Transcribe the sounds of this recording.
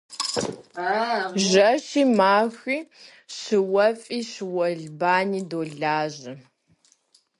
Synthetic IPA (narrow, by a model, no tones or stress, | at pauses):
ʒɐʃiːmaːxiː | ɕɨwɐfʼiːɕɨwɐɮbaːniːdoːɮaːʑɐ